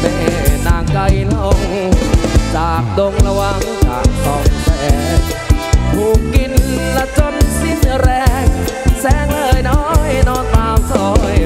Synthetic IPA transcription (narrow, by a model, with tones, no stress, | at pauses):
me˧˩naː˨˩ŋka˧jla˧ʔo˧˩ŋ | t͡ɕaː˨˩k̚do˧ŋla˧wa˧ŋsaː˨˩k̚sʰɔː˨˩ŋtʰɛ˧˩ | mʰuː˨˩kki˧nla˧˥t͡ɕo˧˥nsi˧˥na˧ɾɛː˧ŋsɛː˨˧˥ŋlɤː˧jnɔː˧˥jnɔː˧nt̪aː˧mt̪ʰɔː˨˩j